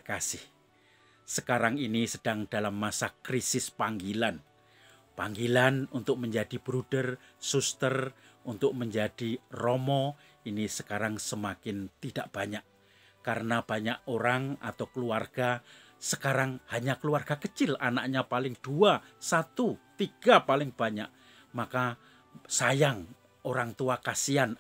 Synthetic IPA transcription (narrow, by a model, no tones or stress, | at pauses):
kasɪh | səkaɾaŋinisəd̥aŋd̥alamːasakɾisɪspaŋɡilan | paŋɡilanunt̪ʊk̚məɲd͡ʒad̥ib̥ɾud̥ərsust̪ərunt̪ʊk̚məɲd͡ʒad̥irɔmɔ | inisəkaɾaŋsəmakɪnt̪id̥aʔb̥aɲaʔ | kaɾənab̥aɲaʔoɾaŋa̰t̪awkəluarɡ̥a | səkaɾaŋhaɲakəluarɡ̥akət͡ʃɪlanaʔɲapalɪŋd̥uasat̪ut̪iɡ̥apalɪŋb̥aɲaʔ | maka | sajaŋ | oɾaŋt̪uakasian